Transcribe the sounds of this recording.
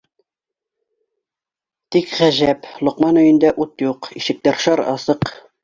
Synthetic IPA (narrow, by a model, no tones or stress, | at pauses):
t̪ikʁæʒæplˠŏqmɑnɵ̆jɘ̆nd̪æʔut̪juqiʃɘ̆k̚t̪æɾʃɑɾɑ̰sɤq